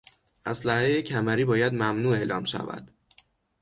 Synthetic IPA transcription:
ʔæslæhejecʰæmæɾiːbɒːjæd̪mæmnuːe̞ʔlɒːmʃæ̰væ̰d̪̥

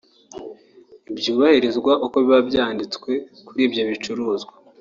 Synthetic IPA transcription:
ibjuːβahiɾezɡwaʔokoβiβabjaːndit͡skwe̞kuɾiːbjo̞βit͡ʃuɾuːzɡwa

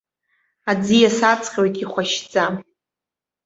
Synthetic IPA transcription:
ad͡zijasat͡sʰʼqʲʼojtʼiχʷaʃd͡zʼa

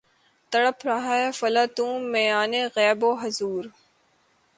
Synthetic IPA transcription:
t̪ɐɽəpʰɾɐɦaefɐlat̪ũːmːẽːaːneɣɛːboːɦɐzuːɾ

